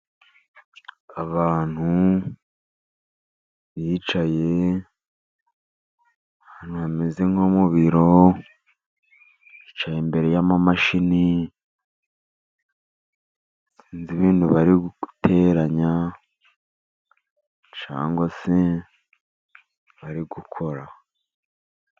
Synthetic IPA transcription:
aβaːn̥hu | βit͡ʃaje̞ | haːnuβamezeŋhomuβiɾo | it͡ʃajembe̞ɾe̞jamamaʃini | siːnziβiːnduβaɾiɡuutʰeɾaɲa | t͡ʃa̰ːŋɡwase | βaɾiɡukʰo̞ɾa

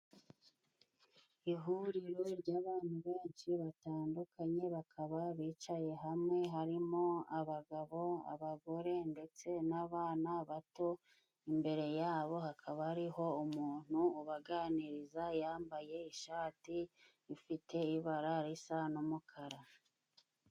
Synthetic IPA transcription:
iɦuɾiɾoɾɟaːβaːn̥huβe̞ːnʃiβataːndukʰaɲe̞βakʰaβaβiːt͡ʃaje̞ɦamŋe̞ɦaɾimo̞aβaɡaβo̞a̰βaɡo̞ɾe̞nde̞t͡se̞naβaːnaβato̞ | imbe̞ɾe̞jaːβo̞hakʰaβaaɾiho̞umuːn̥huːβaɡaːniɾizajaːmbaje̞iʃaːti | ifite̞iβaɾaɾisanomukʰaɾa

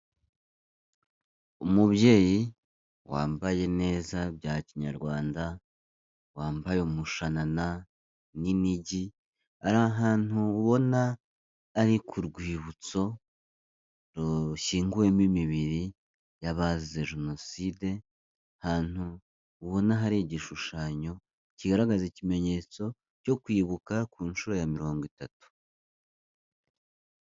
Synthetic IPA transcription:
umuβje̞ːji | wa̰ːmbaje̞ne̞ːzabjaːciɲa̰ɾɡwaːnda | waːmbajomuʃanana | niniɟi | aɾaɦaːn̥uːβo̞naː | ɾikʰuɾɡwiːβut͡so̞ | ɾoʃiːŋɡue̞mimiβiɾi | jaβazizeʒeno̞siːde̞ | haːn̥uː | βo̞naɦaɾeɟiʃuʃaːɲo̞ | ciɡaɾaɡazicime̞ɲe̞t͡so̞ | co̞kwiːβukakuːnʃuɾo̞jamiɾo̞ːŋɡwitatu̥

